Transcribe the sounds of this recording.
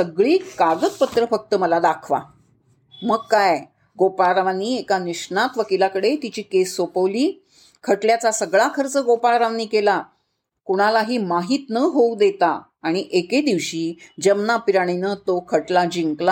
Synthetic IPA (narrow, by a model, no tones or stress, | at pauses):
səɡɭiːkaɡət̪pət̪ɾəfək̚t̪əməlad̪akʰʋa̰ | məɡkaj | ɡopaɾaʋaniːekaniɕɳat̪ʋəkilakəɽet̪it͡ɕiːkesːopəʋliː | kʰəʈljat͡sasəɡɭakʰəɾt͡səɡopaɭɾaʋaniːkela | kuɽ̃alaɦiːmaɦiːt̪nəɦoud̪et̪aː | ɽ̃iʔeked̪iʋɕiːd͡ʑəmnapiɾaɽ̃inət̪okʰəʈlad͡ʑiŋkla